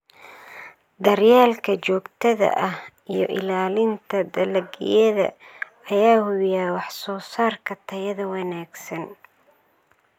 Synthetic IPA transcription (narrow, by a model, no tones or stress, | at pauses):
d̪ɐrjaːlkʰɐt͡ʃɔːɡt̪ʰɐðɐ̰ʔɐh | ijɞʔɪlaːlɪnt̪ʰɐd̪ɐlɐɡɪ̰jɐðɐ̰ | ɐjaːhʊβɪjaːwɑħsɔːsaːrkʰɐt̪ʰɐjɐðɐwɑnaːɡsɐn